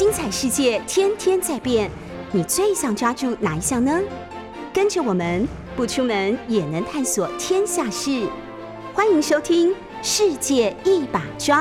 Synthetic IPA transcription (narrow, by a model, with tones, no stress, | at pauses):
t͡ɕi˥ŋt͡sʰa˨˩ɪʂɻ̩˥˧t͡ɕjɛ˥˩t̪ʰjɛ˥nt̪ʰjɛ˥nt͡sa˥˧ɪpjɛ˥˩n | ni˨˩t͡swe˥˩ɪɕɑ˨˩ŋʈ͡ʂwa˥ʈ͡ʂu˥˩na˨˧˥i˧ɕjɑ˥˩ŋnə˦ | kə˥nʈ͡ʂə˥˩wɔ˨˩mə˧˦n | pu˥˩ʈ͡ʂʰu˥mə˧˥njɛ˨˩nə˧˥ŋt̪ʰa˥˩nswɔ˨˩t̪ʰjɛ˥nɕja˥˧ʂɻ̩˥˩ | xwa˥ni˧˥ŋʂo˥ʊt̪ʰi˥ŋ | ʂɻ̩˥˧t͡ɕjɛ˥˧i˥˩pa˨˩ʈ͡ʂwa˥